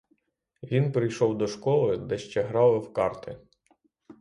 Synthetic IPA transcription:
ʋʲinpɾɪjʃɔwd̪ɔʃkɔlˠɪd̪ɛʃt͡ʃɛɦɾɑlˠɪwkɑrt̪ɪ

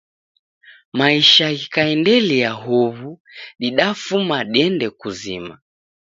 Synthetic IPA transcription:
maiʃaɣikaɛndɛliaɦuβuɗiɗafumaɗiɛndɛkuzḭma

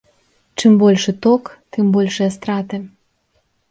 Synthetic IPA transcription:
t͡ʃɨmbolʲʃĕt̪okt̪ɨmbolʲʃeas̬t̪ɾɑt̪ĕ

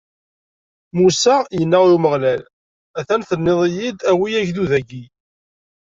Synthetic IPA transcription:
musæjənːaʁuməʁlæl | æθænθənːɪðˤijid̪æwiæʝðuðæɡi

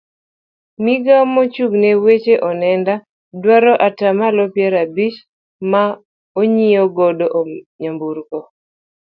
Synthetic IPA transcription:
miɡamot͡ʃuɡnewet͡ʃeʔɔnɛnda | dwaɾɔʔatamalɔpjɛɾabit͡ʃ | ma | oɲiɔɡɔdoʔɲambuɾkɔ

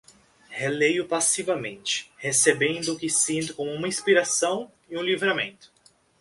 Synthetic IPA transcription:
helejʊpasivɐmẽnt͡ʃɪ̥hesebẽnd̪ʊʊkɪsĩnt̪ʊkõmʊũmɐĩspiɾasɐ̃w̃ | ɪũlivɾamḛ̃nt̪ʊ̥

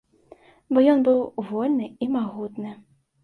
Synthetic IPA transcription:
bɔjɔnbɨwvɔlʲnɨimaɣut̪nɨ

